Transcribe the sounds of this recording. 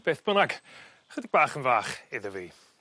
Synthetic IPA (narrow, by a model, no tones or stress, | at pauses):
b̥eːθb̥ənaɡ | χədiɡ̚b̥aːχənvaːχɪðəviː